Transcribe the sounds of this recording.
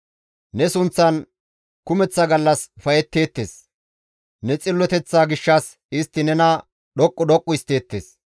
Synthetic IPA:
nɛsʊnt͡sːɐn | kʊmɛt͡sːɐɡɐlːɐsfɐjɛt̪ːe̞ːt̪ːe̞̰ːs | nɛt͡sʼɪlːɔt̪ɛt͡sːaːɡɪʃːɐs | ɪst̪ːɪnɛnɐ | ɗɔkʼːʊdɔkʼːʊɪst̪e̞ːt̪ːeːs

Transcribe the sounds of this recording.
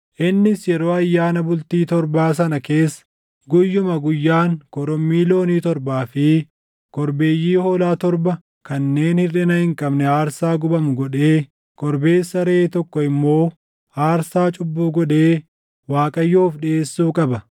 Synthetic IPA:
ʔɪnːɪsjɛɾo̞ːɐjːaːnɐbʊlt̪iːt̪ɔɾbaːs̬ɐnɐke̞ːsːɐ̥ | ɡʊjːʊmɐɡʊjːaːŋkɔɾɔmːiːlo̞ːniːt̪ɔɾbaːfɪ | kɔɾbe̞ːjːiːhoːlaːt̪ɔɾbɐ | kɐnːe̞ːnhɪrɪnɐhɪŋkʼɐbnɛaːɾsaːɡʊbɐmʊɡɔᶑe̞ː | kɔɾbe̞ːsːɐɾet̪ɔkːɔɪmːo̞ː | aːɾsaːt͡ʃʼʊbːuːɡɔᶑe̞ː | waːkʼɐjːoːfɗɪe̞ːsːuːkʼɐbɐ

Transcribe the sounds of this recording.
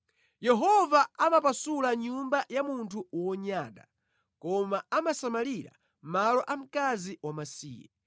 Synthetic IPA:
jɛɦɔvaamapasulaɲumbajamuntʰuwɔɲaɗa̰ | kɔmaamasamaliɾa̰ | malɔʔam̩kaziwamasḭːjɛ̰

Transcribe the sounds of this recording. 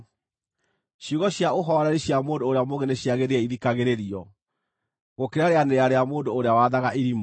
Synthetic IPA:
ɕjuɣɔɕjaoɦɔɾɛɾiɕjamoːndoːɾeamoɣɛneɕiaɣeɾeɛiðikaɣeɾeɾiɔ | ɣokeɾaɾeaneaɾeamoːndoːɾeawaðaɣaʔiɾim

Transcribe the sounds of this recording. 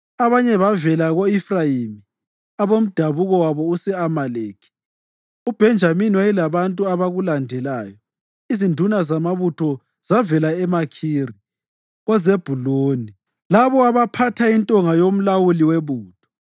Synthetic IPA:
aβaɲɛβavɛlaɣoifrajimi | aβom̩d̥ʱaβuɣɔwaβɔusɛamaleːkʰi̥ | ub̥ʱɛnd͡ʒʱaminiwajilaβantʼuaβaɣulandʱɛlaːjɔ | izindʱunazamaβutʰɔ | z̥avɛlaɛmakʰiːri | ɣɔzeb̥ʱuloːni | laβɔaβapʰatʰaintʼɔŋajom̩lawuliweβuːd̥ʱɔ̥

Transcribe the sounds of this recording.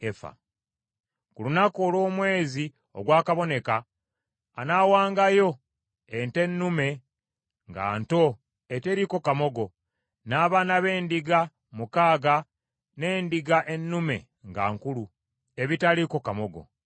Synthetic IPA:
efa̰ | kulunakoːlwo̞ːmwe̞ːzi | o̞̰ɡwaːkaβo̞ne̞kaː | nawaːŋɡajo̞ | ente̞nːume̞ | ŋɡa̰ːnto̞ | ete̞ɾiko̞kamo̞ɡo̞ | naːβaːnaβe̞ːndiɡa | mukaːɡa | ne̞ːndiɡaʔe̞nːume̞̰ | ŋɡa̰ːŋkulu | e̞βitaliko̞kamo̞ɡo̞̰

